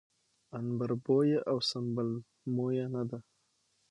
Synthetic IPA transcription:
anbəɾbojeʔawsambəl | mojanad̪a

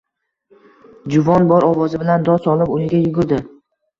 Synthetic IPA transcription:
d͡ʒʊvɒnbɒɾɒvɒzɪbɪland̪ɒsɒlˠɪbʊnɪɡʲajʊɡʊɾd̪ɪ

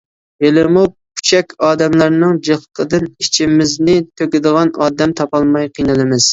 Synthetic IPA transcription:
jelɪmu | kʰy̥t͡ʃʰɛkʲɑːd̪ɛmlæɾnɨŋd͡ʒeχəqʰəd̪ɨnit͡ʃʰimɪznɪt̪ʰøkʲɪd̪əʁɑnɑːd̪ɛmt̪ʰɑpɑlˠmɑjqʰijnɨlˠɨmɪz̥

